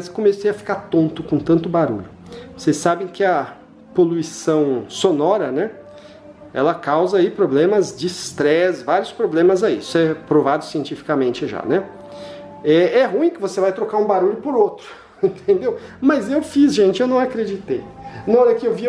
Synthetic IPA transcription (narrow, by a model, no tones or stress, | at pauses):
zɪ̥komesejɐfi̥kaɾt̪õnt̪ʊkõt̪ɐ̃nt̪ʊbaɾṵʎʊ | vosejsːabẽj̃kɪɐ | poluisɐ̃w̃sonɔɾɐnɛ | ɛ̰lɐkawzɐaipɾoblẽmɐzd͡ʒɪst̪ɾɛsvaɾjʊspɾoblẽmɐzaiisʊɛpɾovad̪ʊsiẽnt͡ʃifi̥kɐmẽnt͡ʃɪʒa̰nɛ | ɛɛɦũĩkɪvosevajt̪ɾokaɾũbaɾuʎʊpoɾot̪ɾʊ | ĩnt̪ʰẽnd̪ewmɐzewfizʒẽnt͡ʃɪewnɐ̃w̃akɾed͡ʒit̪ejnaɔɾɐkɪewvi